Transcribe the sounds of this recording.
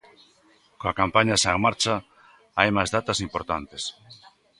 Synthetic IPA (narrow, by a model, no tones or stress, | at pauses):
kõakampaɲasaŋmaɾt͡ʃa | ajmajzðat̪asimpoɾt̪ant̪es